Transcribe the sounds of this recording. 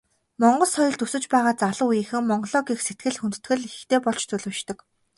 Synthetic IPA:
mɔɴɢɞ̆ɮsɔjɞ̆ɬt̪usɘ̆t͡ɕpæːʁaːt͡saɮə̆ujĭːxɘ̆ŋmɔɴɢɞ̆ɮɔːɡixset̪̚ɡɘ̆ɮxunt̪ɘ̥̆t̪ɡɘ̆ɮxt̪eːpɔɮt͡ɕt͡sɵɮɵ̆ːʃt̪ɞ̆k

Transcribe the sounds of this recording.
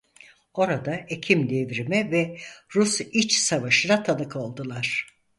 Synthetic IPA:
o̞ɾad̪aecʰimd̪evɾimɛvɛɾusit͡ʃsavaʃɯnˠat̪ʰanɯkʰo̞lˠd̪ɯlˠaɾ̥

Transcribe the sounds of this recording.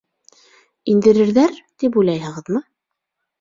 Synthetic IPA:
ind̪ɘ̆ɾɘ̆ɾðæɾt̪ip̬ujlˠɑjɦɤ̆ʁɤðmɤ

